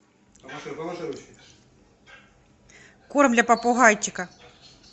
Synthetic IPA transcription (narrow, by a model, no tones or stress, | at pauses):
koɾmdlʲɐpɐpʊɦajtʲːɪkɐ